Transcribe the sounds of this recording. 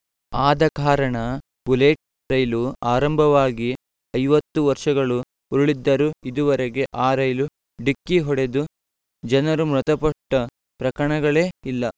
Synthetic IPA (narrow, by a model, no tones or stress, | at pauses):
aːd̪ɐkaːɾɐɳɐ | b̥uleːʈ̚ | ɾɐjluaːɾɐmbʱɐʋaːɡi | ɐjʋɐt̪ːuʋɐɾʂɐɡɐɭu | uɾuɭid̪ːɐɾuid̪uʋɐɾeɡe̞ʔaːɾɐjlu | ɖikːiɦɔɽe̞d̪u | d͡ʒɐnɐɾumɾut̪ɐpɐʈːɐ | pɾɐkɐɳɐɡɐɭeːilːɐ